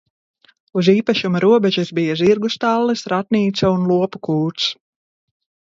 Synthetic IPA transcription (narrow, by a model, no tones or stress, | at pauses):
uziːpaʃumuɾuɔbɛʒizbijaziɾɡust̪alˠːisɾat̪nʲiːt̪saunlˠuɔpukuːt̪s